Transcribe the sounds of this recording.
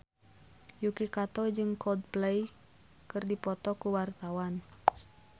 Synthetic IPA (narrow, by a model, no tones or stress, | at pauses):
jukikat̪ɔd͡ʒɨŋkʰɔd̪̚plej | kɨrdipɔt̪ɔkuwart̪awan